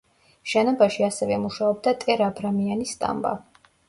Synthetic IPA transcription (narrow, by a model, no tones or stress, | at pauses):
ʃɛnɔbaʃiasɛvɛmuʃaɔb̚d̪at̪ʼɛɾabɾamianisːt̪ʼa̰mba̰